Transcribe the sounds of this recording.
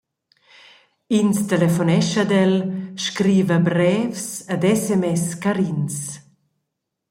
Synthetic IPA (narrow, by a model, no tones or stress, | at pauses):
inst̪elefonɛʃəd̪ɛlʃkɾiːvəbɾɛːfsəd̪ɛsɛmɛskaɾins